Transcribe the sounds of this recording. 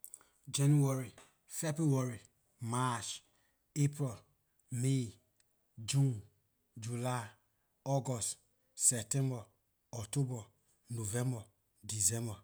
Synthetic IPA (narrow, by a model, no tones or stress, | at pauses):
d͡ʒenuaɾi | febɾuwaɾi | mat͡ʃ | epɾɛl | me | d͡ʒũn | d͡ʒula | ɔɡɔst | sɛptɛ̃mbɔ | ɔktobɔ | novɛ̃mbɔ | dizɛ̃mbɔ